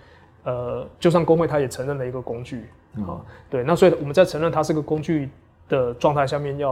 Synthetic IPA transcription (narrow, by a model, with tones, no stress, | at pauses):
ə˩t͡ɕjʊɕjɑ˥˩ŋkoʊ˥ŋxwe˥˩ɪt̪ʰa˥jɛ˨˩ʈ͡ʂʰə˧˥ŋɻə˥˩nlə˩i˧˥ɡə˨˧kʊ˦ŋt͡ɕy˥˩ | xɐ̰˨˩˦t̪we˥˩ɪna˥˩swɔ˦˥i˨wɔ˨˩mə˦t͡sa˥˩ɪʈ͡ʂʰə˧ŋɻə˥˩nt̪ʰa˦ʂɻ̩˥˩˧ɡə˩kʊ˥ŋt͡ɕy˥˧ | d̪̥ə˩ʈ͡ʂwɑ˥˧ŋt̪ʰa˥ɪɕjɑ˥˧mjɛ˥˧njɑ˥˨